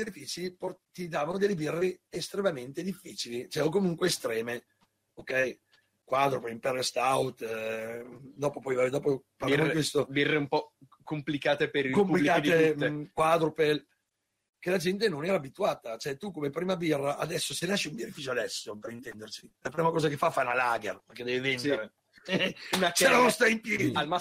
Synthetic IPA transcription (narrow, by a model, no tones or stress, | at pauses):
sed̪ifiːt͡ʃiport̪id̪aːvanod̪ɛlːebirːeest̪ɾemament̪ed̪ifːiːt͡ʃilit͡ʃɛokomuŋkweːst̪ɾɛːme | okːɛj | kwad̪ɾopelimpɛɾest̪awt̪ | d̪ɔːpopɔjvad̪ɔːpoparlaakwest̪obirːeumpɔ | komplikaːt̪epeɾikompulilkaːd̪iet̪ekwad̪ɾopel | kelad͡ʒɛnt̪̬enonɛːɾaːbit̪uaːt̪at͡ʃoɛt̪ukomepɾiːmabirːaʔad̪ɛsːosenaʃiumbeɾifit͡ʃoad̪ɛsːopeɾint̪ɛnd̪ersilapɾiːmakɔːzakefafanalaːɡerperk̟ed̪ɛːvevenɾe | unakɛɾanost̪aint̪iɾialma